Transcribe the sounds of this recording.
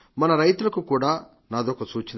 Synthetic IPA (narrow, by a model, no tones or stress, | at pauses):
mɐnɐɾɐjt̪ulɐkukuːɽaː | naːd̪oːkɐt͡ʃuːt͡ʃin